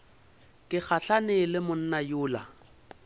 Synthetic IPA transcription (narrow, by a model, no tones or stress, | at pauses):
kʼɪk͡xʰaɬanɪlɪmʊn̩najʊːla